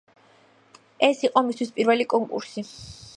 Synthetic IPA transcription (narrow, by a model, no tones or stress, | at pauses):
ɛsiqʼɔmist̪ʰispʼiɾvɛlikʼɔŋkʼṵɾsi